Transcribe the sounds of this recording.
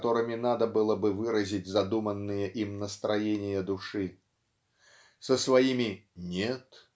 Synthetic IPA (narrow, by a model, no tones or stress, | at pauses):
t̪oɾɨmʲɪnad̪əbɨlˠəbɨvɨɾəzʲitʲzɐd̪umənːɨjəʔimnəst̪ɾajenʲɪjəd̪ʊʂɨ | səsvajimʲɪnʲet̪